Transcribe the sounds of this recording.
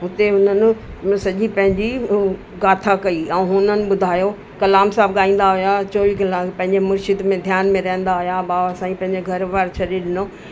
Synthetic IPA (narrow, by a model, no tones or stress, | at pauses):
ʊt̪eɦʊn̤ənɪ̆ | sɐʄipɐ̃ɦɪ̃ɲd͡ʑi | ɡaːt̪ʰakɐiɛ̃ːɦʊnənɪ̆ɓʊd̪ʱaːjo | kɐlaːmsaːbɠaːĩːn̆d̪aɦʊjat͡ɕoːʋiːɡɐlapɐ̃ɦɪ̃ɲd͡ʑemʊɾt͡ʃɪd̪mẽd̪ʱjaːnmẽɾɐɦə̃nd̪aɦʊjabaːʋasãːĩpɐ̃ɦɪ̃ɲd͡ʑeɡʱɐɾʋaːɾt͡ɕʰɐɗeɗɪnoː